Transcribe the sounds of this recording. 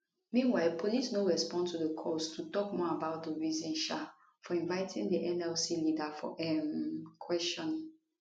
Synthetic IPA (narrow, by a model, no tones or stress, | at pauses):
mĩnwaɪlpʰolisnõɹɛspɔ̃ntʰuðəkʰɔstʰutɔkmɔabaʊt̚dəɹizɛ̃nʃa | fɔĩnvaɪtʰĩŋdəʔɛ̃nɛlsilidafɔ̰ʔɛmkʰwɛstɔ̃n